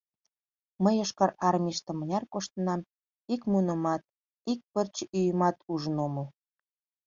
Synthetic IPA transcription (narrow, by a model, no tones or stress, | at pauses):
məjoʃkɑɾɑrmʲiʃt̪ə̆mə̆nʲɑrkoʃt̪ə̆nɑm | ikmunə̆mɑt̪̚ | ik̚pərt͡ɕyjəmɑt̪uʒənoməl